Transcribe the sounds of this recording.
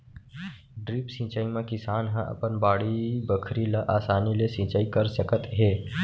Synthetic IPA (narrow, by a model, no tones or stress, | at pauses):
ɖɾipsĩːt͡ʃaːimẽkɪsaːnɦə̃ʔə̰pənbaːɽibəkʰɾiləʔaːsaːnilesĩːt͡ʃaːikəɾsəkət̪ɦeː